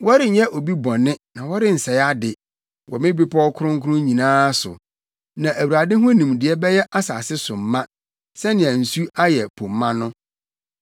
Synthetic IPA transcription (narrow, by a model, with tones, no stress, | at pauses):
wɔ˦ɾɪ˨˦ɲɛ˦ʔo˨bi˦bɔ̃˨nɪ̃˦nã˨wɔ˦ɾɪ˦n̩˨sɛ˨ja˦dɪ˨ | wʔɔ˨mɪ̃˦bi˦pʰɔ˦kʰʊ˦ɾʊ̃˦ŋ˦kʰʊ˦ɾʊ̃˦ɲĩ˨nãː˦sʊ̰˨ | nã˨ʔæ˨wu˨ɾa˨dɪ̃˦ɦʊ̃˦nĩ˨mdɪ˨ɛ˦bɛ˦jɛ˦ʔa˦sa˨sɪ˦sʊ˨m̩˨˦mã˦ | sɛ˦nɪ̃˨ã˨n̩˨su˦a˦jɛ˨pʰõ˨mːã˦nʊ̃˦